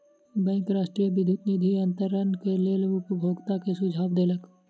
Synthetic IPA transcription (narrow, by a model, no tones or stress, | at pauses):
bɛ̃ːŋkɾaːʃʈɾijəʋɪd̪ʱut̪nid̪ʱiɐ̃nt̪əɾənkeleːlʊpbʱoːɡt̪akesʊd͡ʒʱaːʋd̪eːlək